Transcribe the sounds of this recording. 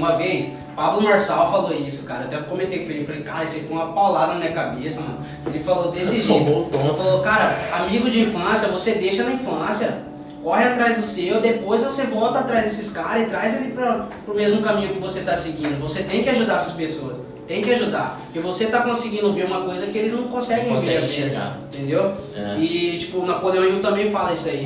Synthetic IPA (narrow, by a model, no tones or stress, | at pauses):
ũmɐvejs | pablʊmaɾsawfaloisʊ̥kaɾɐewd̪ɛvʊkõmẽnt̪ejkɪfaeeefalejkaɾɐesefojũmɐpawlad̪ɐnɐmĩɲɐkabesɐmɐ̰̃nʊ | elɪfalod̪esiʒiot̪ofalokaɾɐamiɡʊd͡ʒɪĩfɐ̃sjɐvosed̪eʃɐnɐĩfɐ̃sjɐ | kɔɦɪat̪ɾajzd̪ʊsewd̪epojzvosevɔwt̪ɐat̪ɾajzd̪esɪskaɾɐɪt̪ɾajzelipɾɐpɾʊmezmʊkamĩɲʊkɪvoset̪asɪɡĩnd̪ʊvoset̪ẽj̃kɪaʒud̪aɾɛsɐspesoɐs | t̪ẽj̃kɪaʒud̪a̰pkevoset̪akõsɪɡĩnd̪oviɾũmɐkojzɐkɪelɪznɐ̃w̃kõsɛɡẽj̃ovɾazmez̰ĩt̪ẽnd̪ewɛɪt͡ʃi̥pʊnapoleõut̪ɐ̃mbẽj̃falɐisʊai